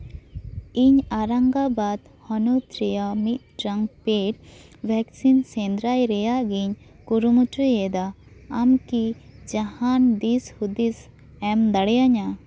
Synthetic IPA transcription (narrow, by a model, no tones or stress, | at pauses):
iɲaɾaŋɡabad̪ | hɔnut̪ɾɛjamit̪̚ʈɾaŋpeʈ | bʱɛksinsɛnd̪ɾajɾɛjaʔɡiɲ | kuɾumuʈujɛd̪a | amkid͡ʒahand̪ishud̪is | ɛmd̪aɽɛjaɲa